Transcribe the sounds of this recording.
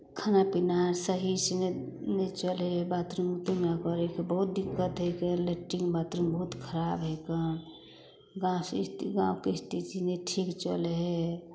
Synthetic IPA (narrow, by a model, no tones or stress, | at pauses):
kʰanapinaɾsəɦisine | net͡ʃəlɦebat̪ɾiŋut̪imakɔɾekebəɦut̪̚d̪ikːət̪ɦejkeleʈːĩŋɡbat̪ɾiŋbəɦut̪kʰəɾabɦeke | ɡãstɡã̰wkest̪it͡ʃineʈʰikt͡ʃəlɦe